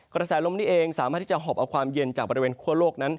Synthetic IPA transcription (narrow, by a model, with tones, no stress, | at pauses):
kɾa˧sɛː˩˦lo˧mniː˦˥ʔeː˧ŋsaː˨˦maː˥˩t̪ʰiː˥˩t͡ɕa˨˩ɦɔː˨˩p̚ʔa˧wkʰwaː˧mje˧nt͡ɕaː˨˩k̚bɔ˧ɾi˧weː˧nkʰu˥˩ɐloː˥˩k̚na˦˥n